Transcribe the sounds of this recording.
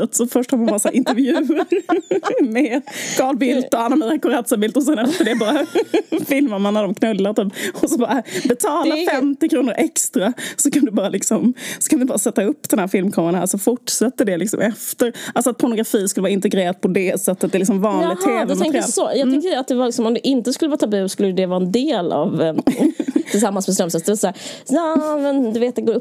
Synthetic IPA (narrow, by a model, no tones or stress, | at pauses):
t̪sɔfœʂʈhɑɾmanbɑɾasɾʔɪnt̪əɾvjʉ̟ːəɾ | meskɑːlbɪlt̪ɔalːaɾmɛd̪akʊɾat̪sabɪlt̪ɔs̬ɛnːɛft̪əɖɛbɑːɾafɪlmaɾmanːad̪ɔmkʰnɵlːaɾt̪yːpɔsɔbɑːɾabɛt̪ʰɑːlafɛmt̪ɪkʰɾuːnəɾʔɛkst̪ɾasɔkʰand̪ɵbɑːɾalɪksɔmsɔ̥kʰanvɪbɑːɾasɛt̪ːaɵpːd̪ɛnhæːɾfɪlmkʰɔmːɾnhæ̰ɾsɔfʊʈʂɛt̪ːəd̪ɛlɪksɔ̰mɛft̪əɾalsɔat̪̚pʰɔɾɳʊɡɾafiːskɵlːəʋɑːaɪnt̪ɛɡɾeːɾad̪̚pʰɔd̪ɛsɛt̪ːət̪d̪ɛlɪksɔmvɑːnlːɪɡt̪ʰːeːvɛd̪ɛtmɛŋk̪əjasɔjɑɡ̪ɛŋkt̪ədat̪̚d̪ɛvaɾlɪksɔmɔmd̪ɛʔɪnt̪əskɵlːəvɑːt̪ʰabʉːskɵlːəjd̪ɛvɑːɾɛnd̪eːla̰v | ɪlsamːansmɛst̪ɛmsəsd̪ɛvasæːɾjɑːmɛnd̪ɵveːt̪̚d̪ɛɡoːɾɵpː